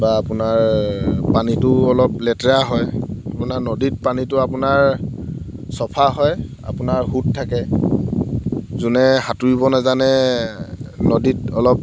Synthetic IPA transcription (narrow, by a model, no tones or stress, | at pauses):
baːpʊnaɹpanitʊɔlɔp̚lɛtaɦɔjapʊnaɹnɔdit̚panitʊapʊnaɹ | sɔpʰaɦɔj | a̰pʊnaɹhuttʰːakɛ | zunɛhatuɹibɔnazanɛ | nɔditɔlɔp̚